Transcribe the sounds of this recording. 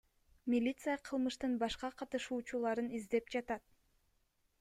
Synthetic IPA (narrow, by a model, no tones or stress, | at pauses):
mʲilʲit̪sɨjɑqʰɯlˠmɯʃt̪ɯnbɑʃqɑqʰɑt̪ɯʃuːt͡ʃulˠɑɾɯnizd̪e̞pd͡ʒɑt̪ɑt̪̚